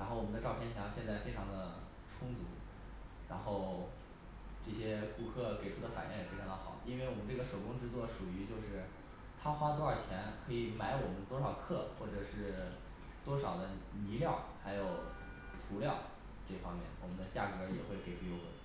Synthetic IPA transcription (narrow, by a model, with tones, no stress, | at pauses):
ɻa˧˥nxo˥˩ʊwɔ˨˩mə˦nd̪ə˧ʈ͡ʂɑ˥˧ʊpʰjɛ˥˧nt͡ɕʰjɑ˧˥ŋɕjɛ˥˧nt͡sa˥˩ɪfe˥ɪʈ͡ʂʰɑ˧˥ŋd̪ə˧ | ʈ͡ʂʰʊ˥ŋt͡su˧˥ | ɻa˧˥nxo˥˧ʊ | ʈ͡ʂɤ˥˩ɕjɛ˥ku˥kʰɤ˥˩ke˨˩ɪʈ͡ʂʰu˥d̪ə˧fa̰˨˩njɛ̰˥˩ŋjɛ˨˩fe˥ɪʈ͡ʂʰŋd̪ə˧xɑ̰˨˩˦ʊi˥nwe˥˩wɔ˨˩mə˦nʈ͡ʂɤ˥˩ɡə˩ʂo˨˩ʊkʊ˥ŋʈ͡ʂɻ̩˥˧t͡swɔ˥˩ʂu˨˩y˧˥t͡ɕjo˥˧ʊʂɻ̩˥˩ | t̪ʰa˥xwa˥t̪wɔ˥a˞˥˩t͡ɕʰjɛ˧˥nkʰɤ˧˥i˨˩ma˧˥ɪwɔ˨˩mə˦ə˧t̪wɔ˥ʂɑ˨˩ʊkʰɤ˥˩xwɔ˥˩ʈ͡ʂɤ˨˩ʂɻ̩˥˩ | t̪wɔ˥ʂɑ˨˩ʊd̪ə˦ni˧˥ljɑ˥˩ʊxa˧˥ɪjo˨˩ʊ | t̪ʰu˧˥ljɑ˥˩ʊ | ʈ͡ʂɤ˥˩fɑ˥ŋmjɛ̰˥˩nwɔ˨˩mə˦nd̪ə˧t͡ɕja̰˥˩kɤ˧˥jɛ̰˨˩xwe˥˩ɪke˨˩ɪʈ͡ʂʰu˥jo˥ʊə̰˧˥